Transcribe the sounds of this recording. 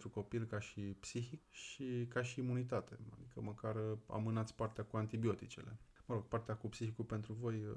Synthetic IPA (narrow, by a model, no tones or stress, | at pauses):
t̪ɾuko̞pilkaʃipsixikʃikaʃiːmunit̪at̪e̞̰a̰d̪ikəməkara̰mɨnat̪sʲpart̪eakuant̪ibio̞t̪it͡ʃe̞̰le̞̰məɾo̞ɡ̥̚part̪eakupsixikupe̞nt̪ɾuvo̞j